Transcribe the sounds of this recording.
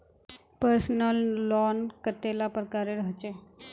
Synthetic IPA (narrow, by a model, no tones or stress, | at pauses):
pəɾsnəlːɔnkət̪elapɾəkaɾeɾəɦt͡ʃe